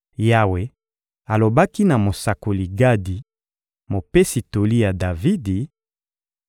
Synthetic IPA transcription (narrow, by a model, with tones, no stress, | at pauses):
ja˦we˨ | a˨lo˨ba˦ki˦na˨mo˨sa˨ko˨li˨ɡa˦di˨ | mo˨pe˦si˨to˨li˦ja˨da˨vi˦di˨